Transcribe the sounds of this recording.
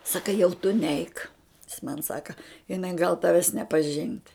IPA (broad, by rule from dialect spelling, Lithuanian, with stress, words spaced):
ˈsɑːkɐ jɛʊ tʊ ˈnʲɛɪk jɪs mɐn ˈsɑːkɐ ɪˈnɐɪ ɡɐlˠ ˈtɑːʋʲɛs nʲɛpɐˈʒʲɪnt